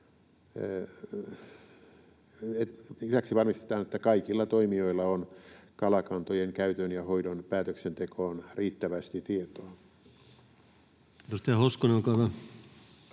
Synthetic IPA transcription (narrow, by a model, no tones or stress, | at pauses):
et̪isæksiʋɑrmist̪e̥t̪ɑːnet̪ːækɑikilːɑt̪oimioilːɑonkɑlɑkɑnt̪ojeŋkæyt̪ønjɑhoidonpæːt̪øksent̪ekʰoːnriːt̪ːæʋæst̪it̪iet̪oɑ | t̪ost̪æhoskoneoŋkɑʋɑ